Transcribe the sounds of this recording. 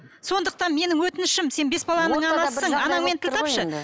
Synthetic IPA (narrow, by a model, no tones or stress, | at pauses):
so̞nd̪əq̚t̪ɑnme̞nɪŋwɵt̪ɪnɪʃɪmse̞nbe̞sbɑlˠɑnəɴɑlɑssəɴɑnɑŋme̞nt̪ʰɪlt̪ɑpʃə